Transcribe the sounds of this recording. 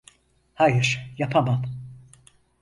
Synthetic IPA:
hajɪɾ̥japʰaman

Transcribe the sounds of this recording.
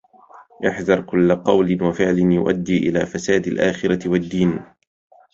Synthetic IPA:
ʔɪħðɑɾˤkʊlːqɑwlɪnwafɪʕlɪnjʊʔa̰d̪ːiːʔɪla̰ːfasaːd̪alʔaːxɪɾɑwad̪ːiːn

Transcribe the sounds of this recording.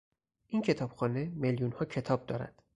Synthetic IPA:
ʔincʰe̞t̪ʰɒːb̥xɒːne̞meljunhɒːcʰe̞t̪ʰɒːb̥̚d̪ɒːɾæ̰d̪̥

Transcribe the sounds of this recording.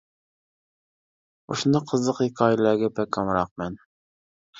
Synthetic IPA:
uʃunɑqʰəzlˠəqhikʰɑːjɪlæɡʲɛpɛkʰɑmɾɑq̚mɛn

